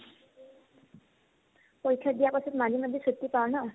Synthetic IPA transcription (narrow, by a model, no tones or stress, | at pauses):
poɹikʰːjad̪ijapɔsɔt̪madʱimad̪ʱːesut̪ːipaɹɔna